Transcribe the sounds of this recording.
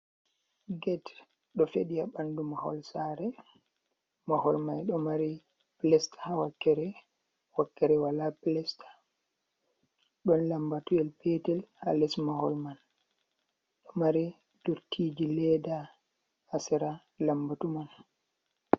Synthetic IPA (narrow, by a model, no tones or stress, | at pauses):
ɡɛt | ɗɔfeɗijabandumahɔ̰lsaːɾɛ | mahɔlmajɗɔmaɾi | plɛstḁhawakːɛɾɛ | wakːɛɾɛwalaplɛstḁ | ɗɔnlambatuɛlpɛtɛlha̰lɛsmahɔlman | ɗɔmaɾi | d̥uɾtʰiːd͡ʒilɛːdaː | sɛɾa | lambatuman